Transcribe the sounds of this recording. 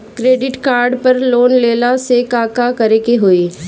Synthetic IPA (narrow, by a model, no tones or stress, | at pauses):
kɾeːɖɪʈkaːɾɖpɐɾloːnleːlasekaːkakɐɾekeɦoiː